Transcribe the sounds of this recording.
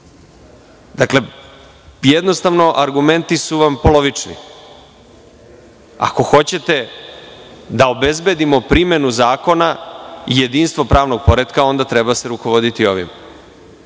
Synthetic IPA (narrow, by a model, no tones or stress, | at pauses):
d̪akle̞ | jed̪no̞st̪aʋno̞ʔaɾɡume̞nt̪isuʋampo̞lo̞ʋit͡ʂnḭ | a̰ko̞xo̞t͡ɕe̞t̪e̞ | d̪ao̞bezbed̪imo̞pɾime̞nuzaːko̞naije̞d̪iːnst̪ʋo̞pɾaːʋno̞ɡ̚po̞ɾed̪kao̞nd̪at̪ɾe̞base̞ɾuko̞ʋo̞d̪it̪io̞ʋḭm